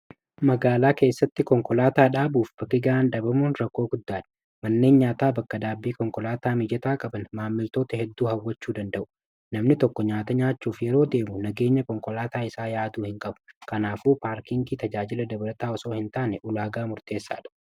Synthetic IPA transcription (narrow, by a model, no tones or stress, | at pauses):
mɐɡaːlaːke̞ːsːɐt̪ːɪkɔŋkɔlaːt̪aːᶑaːbuːfbɐkːɪɡɐaːnᶑ̪ɐbɐmuːnɾɐkːo̞ːɡʊd̪ːaːᶑɐ̥ | mɐnːe̞ːnɲaːt̪aːbɐkːɐd̪aːbːiːkɔŋkɔlaːt̪aːmɪd͡ʒɛt̪aːkʼɐbɐnmaːmːɪlt̪o̞ːt̪ɐhɛd̪ːuːhɐwːɐt͡ʃːuːd̪ɐnd̪ɐʔʊ̥ | nɐmnɪt̪ɔkːɔɲaːt̪ɐɲaːt͡ʃːuːfjɛɾo̞ːd̪e̞ːmʊnɐɡe̞ːɲːɐkɔŋkɔlaːt̪aːɪsaːjaːd̪uːhɪŋkʼɐbʊ̥kɐnaːfuːpaːɾkɪŋɡiːt̪ɐd͡ʒaːd͡ʒɪlɐd̪ɐbɐlɐt̪aːɔso̞ːhɪnt̪aːnɛʔʊlaːɡaːmʊɾt̪e̞ːsːa̰ːᶑɐ̥